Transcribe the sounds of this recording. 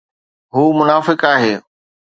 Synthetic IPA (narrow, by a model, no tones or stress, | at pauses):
ɦuːmʊnaːfɪkaːɦeː